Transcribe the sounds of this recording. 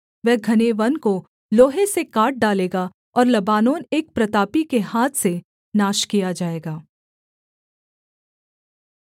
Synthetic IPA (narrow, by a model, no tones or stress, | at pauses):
ʋɛɦɡʱɐneːʋɐnko | loːɦesekaːʈ̚ɖaːleːɡa | ɔːɾlɐbaːnoːneːk̚pɾɐt̪aːpikeɦaːt̪ʰse | naːʃkijad͡ʒaːeːɡaː